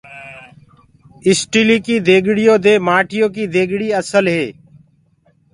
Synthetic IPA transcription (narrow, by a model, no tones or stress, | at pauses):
ɪsʈiːliːkiːd̪eːɡʱɽɪjõːd̪eːmaːʈʰɪjõːkiːd̪ʱeːɡɽiːəsəlɦeː